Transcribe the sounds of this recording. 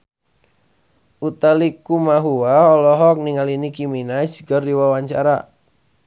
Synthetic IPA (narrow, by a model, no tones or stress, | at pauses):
ut̪alikumaɦuwaɔlɔɦɔk̚niŋalinikiminad͡ʒɡɔrdiwawaɲt͡ʃa̰ɾa